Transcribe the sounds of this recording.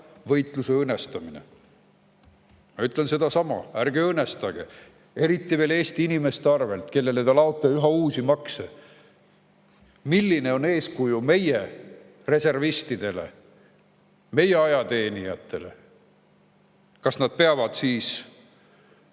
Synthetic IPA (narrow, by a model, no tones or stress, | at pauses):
vɤjt̪luseɤnːest̪ɑminḛ | mɑyt̪ˑlense̞d̪̥ɑsɑmɑ̰ærɡeɤnːe̞st̪ɑɡ̥ḛ | e̞ɾit̪ːiveːle̞ːst̪iinime̞st̪eɑrve̞lt̪ke̞lːe̞let̪ɑlɑot̪ːˑɑyɦɑuːsimɑkse | milːine̞o̞ne̞ːskujume̞je | re̞se̞rvist̪id̪̥e̞le̞̰ | me̞je̞ɑjɑt̪e̞ːnijɑt̪ːˑe̞le̞̰ | kɑsnɑd̪̥̚pe̞ɑvɑd̪̥siːs